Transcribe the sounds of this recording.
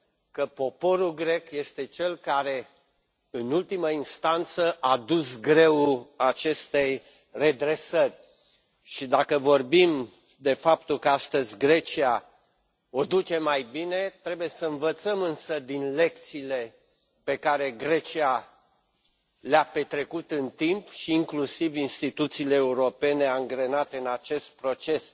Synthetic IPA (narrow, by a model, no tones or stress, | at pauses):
kəpo̞po̞ɾulɡɾe̞kje̞st̪e̞t͡ʃe̞lkaɾe̞ | ɨnult̪iməinst̪ant̪səʔad̪us̬ɡɾe̞wat͡ʃe̞st̪e̞j | re̞d̪ɾe̞sərʲ | ʃid̪akəvo̞rbim | d̪e̞fap̚t̪ulkəast̪əzʲɡɾe̞t͡ʃia | od̪ut͡ʃe̞majbine̞t̪ɾe̞buje̞səɨnvət̪səmɨnsəd̪inle̞kt̪siːle̞ | pe̞kaɾe̞ɡɾe̞t͡ʃia | leape̞t̪ɾe̞kut̪ɨnt̪impʃiːŋklusivinst̪it̪ut̪siːleːuɾo̞pe̞ne̞aŋɡɾe̞nat̪e̞ɨnat͡ʃe̞st̪̚pɾo̞t͡ʃe̞s